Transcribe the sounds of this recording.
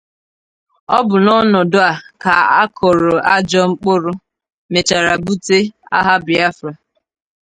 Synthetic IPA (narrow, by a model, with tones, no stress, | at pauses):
ɔ˦bʊ˨nɔ˦nɔ˨dʊ˦a˨ka˨a˦kʰɔ˨ɾɔ˨ʔa˦d͡ʒɔ˦ŋ͡m̩˦k͡pʊ˦ɾʊ˦ | me˨t͡ʃa˨ɾa˨bu˦te˦a̰˦ɦa˦bɪ˨a˦fɾa˨